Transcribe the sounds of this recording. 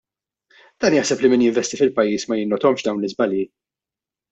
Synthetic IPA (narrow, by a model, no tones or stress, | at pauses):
d̪̥ɐːnjaħsɛplimɪnjɪɱvɛst̪ifɪlpɐjːiːsmɐjɪnːɔt̪ɔmʃd̪ɐwnlɪzbɐljiː